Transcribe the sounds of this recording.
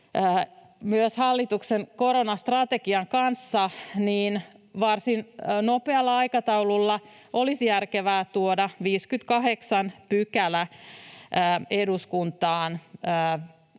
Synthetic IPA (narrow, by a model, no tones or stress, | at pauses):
əː | myøshɑlːit̪uksenkoɾonɑst̪rɑt̪ekiɑŋkɑnsːɑniːn | ʋɑrsinnopeɑlːɑɑjkɑt̪ɑwlulːɑ | ʔolisjærkeʋæːt̪uodɑʋiːskyt̪kɑɦeksɑnpykælæ | əːeduskunt̪ɑːnː